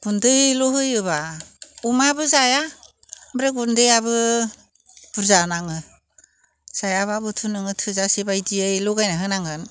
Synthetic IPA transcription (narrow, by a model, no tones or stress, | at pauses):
ɡ̥undɯjlɔɦɯjɯbaumabɯzaja | mbɾeɡundɯjabɯ | b̥uɾzanaŋɯ | z̥ajaβabɯtʰunɯŋɯtʰɯzasibajdiajlɔɡajnaɦɯnaŋɯn